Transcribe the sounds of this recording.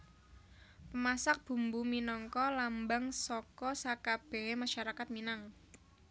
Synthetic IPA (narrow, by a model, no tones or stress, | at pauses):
pəmasak̚b̥ṳmbuminɔŋkɔlambaŋsɔkɔsakab̥e̤emaʃaɾakat̪̚minaŋ